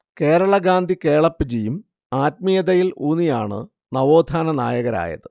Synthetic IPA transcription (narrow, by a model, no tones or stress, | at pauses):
ke̞ːɾɐɭɐɡaːnd̪ʱikeːɭɐpːɨd͡ʑijum | aːt̚mijɐðɐjiluːnijaːɳɨ̰ | nɐʋo̞ːd̪ʱaːnɐna̰ːjɐɣɐɾa̰ːjɐ̰ðɨ